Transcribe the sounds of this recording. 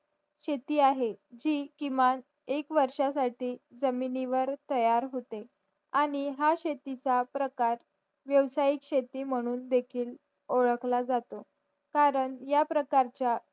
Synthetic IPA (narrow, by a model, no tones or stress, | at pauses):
ɕet̪iːaɦed͡ʑiːkiman | ekʋəɾʂasaʈiːd͡zəminiʋəɾt̪əjaɾɦot̪e | aɽ̃iɦaɕet̪it͡sapɾəkaɾ | ʋjəʋsaikɕet̪iːm̤əɽ̃uːnd̪ekʰiːl | oɭəklad͡zat̪o | kaɾəɳjapɾəkaɾt͡ɕja